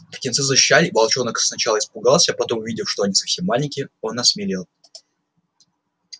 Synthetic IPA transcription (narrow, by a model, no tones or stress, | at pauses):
ptʲɪnt̪sɨzəɕɕːalʲɪbɐlˠt͡ɕo̞nəksnɐt͡ɕalˠəɪspʊɡalˠsʲəpɐt̪o̞mʊvʲidʲɪfʂt̪oɐnʲisɐfsʲe̞mːalʲɪnʲkʲɪo̞nɐsmʲɪlʲilˠ